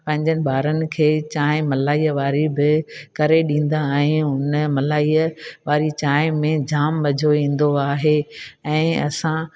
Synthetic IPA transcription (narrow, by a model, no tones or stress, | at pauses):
pɐ̃ɦɪ̃ɲd͡ʑənɪ̆baːɾənɪ̆kʰeːt͡ɕaːɪ̃mɐlaːiːəʋaːɾibɪkɐɾeɗĩːn̆d̪aɛ̃ɪʊnəmɐlaːiːəʋaːɾit͡ɕaːɪ̃mẽd͡ʑaːmbɐd͡ʑʱoʋĩːn̆d̪oaːɦeɛ̃ːɐ̰sã